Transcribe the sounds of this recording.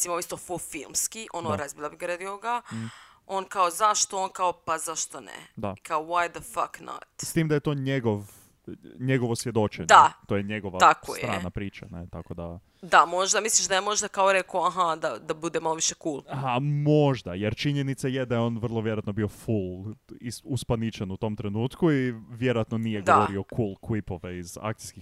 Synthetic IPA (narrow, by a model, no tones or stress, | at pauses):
simooist̪o̞fulˠfilˠmskiʔonoɾazbiʎabiɡaɾed̪ioɡa | onkaozaʃt̪oonkaopazaʃt̪onḛd̪akaowajd̪əfakna̰t̪st̪iːmd̪ajet̪oːɲeɡoʋ | ɲeɡoʋosʋjed̪ot͡ʃeɲd̪at̪oːjeɲeɡoʋaako̰jeɾa̰ːnapɾiːt͡ʃa̰net̪akod̪a̰ | d̪amo̞ʒd̪amisliʃd̪ajamo̞ʒd̪akaoɾekoaɦad̪ad̪abud̪emaloʋiʃekuːlˠhamo̞ʒd̪ajeɾt͡ʃiɲenit̪sajed̪ajeo̞ːnʋr̩lˠoʋjeoat̪nobio̞fulˠiuspanit͡ʃanut̪o̞mt̪ɾenuːt̪kuiʋjeɾoat̪nonijeɡɡ̪aʋoɾio̞kʰuːlˠkʋipo̞ʋeiza̰kt̪i̥ski